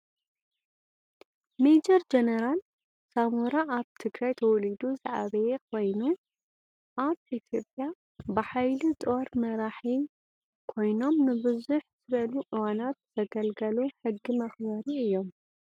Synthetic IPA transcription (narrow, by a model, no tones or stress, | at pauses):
med͡ʒɐɾd͡ʒenɐɾal | samuɾaʔaβt̪ʰɨɡɾajt̪ʰɐwɔlid̪uza̰ʕa̰βɐjekʰo̞jnu | ʔaβit̪ʰjo̞pʼja | bɨħajlit̪ʼo̞ɾmɐɾaħi | kʰo̞jno̞mnɨbɨzuħz̥ɨβɐluʔɨwanat̪t̪ɐɡɐlɡɐluħɨɡːimɐxbɐɾiɨjːo̞m